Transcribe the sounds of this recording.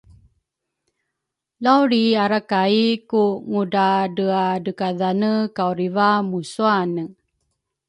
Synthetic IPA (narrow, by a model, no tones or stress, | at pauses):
lawɾiaɾakaikuŋudadəadəkaðanəkawɾivamusuanə